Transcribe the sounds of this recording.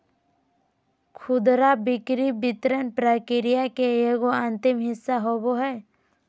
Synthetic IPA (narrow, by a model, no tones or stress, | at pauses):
kʰʊd̪ɾabɪkɾibɪt̪ɾənpɾakɪɾijakeeɡoə̃nt̪ɪmɦɪsːaɦoboɦɛː